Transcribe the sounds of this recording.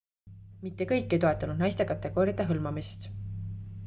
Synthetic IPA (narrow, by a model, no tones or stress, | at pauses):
mit̪ːekɤ̞jkˑːejt̪o̞e̞t̪ːˑɑnud̪nɑjst̪e̞kɑt̪ːˑe̞ɡ̥o̞ːɾʲjɑd̪̥eɦɤlmɑmist̪